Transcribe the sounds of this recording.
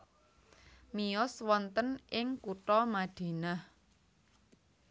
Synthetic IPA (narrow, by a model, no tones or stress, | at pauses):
miɔswɔnt̪ənʔɪŋkuʈɔmaɖ̪̥e̤nah